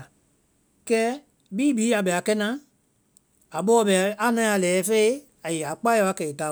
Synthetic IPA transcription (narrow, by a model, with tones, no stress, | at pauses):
kɛː˦ | biː˦biː˨˦a˨ɓɛ˨a˨kɛ˦nã˨˦ | a˨ɓɔː˦ɓɛ˨a˨˦nã˨˦a˨lɛː˨˦fe˦i˦ | a˨jɛ˨a˨k͡pa˦a˧˦a˦kɛ˨i˨ta˨˦